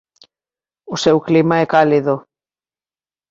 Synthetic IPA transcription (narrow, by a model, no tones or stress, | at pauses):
ʊsewklimaɛkaliðʊ